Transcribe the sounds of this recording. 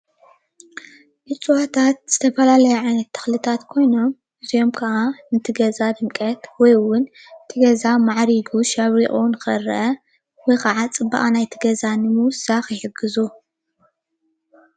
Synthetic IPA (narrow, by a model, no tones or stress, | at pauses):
ʔɨt͡sʼuwat̪ʰat̪̚z̥ɨt̪ʰɐfɐlalɐjuʕajnɐt̪ʰːɐ̥xlɨt̪ʰat̪kʰo̞jno̞m | ɨzijo̞mkʰɐʔanɨt̪ʰɨɡɐzad̪ɨmkʼɐt̪wɔjwʊn | t̪ʰɨɡɐzamaʕɾiɡuʃɐβɾiʔʼonɨkʰɐɾ̰ʔɐ | wɔjkɐʕat͡sʼɨbːa̰ʔʼanajt̪ʰɨɡɐzanɨmɨwsaxjɪħɨɡːɨzu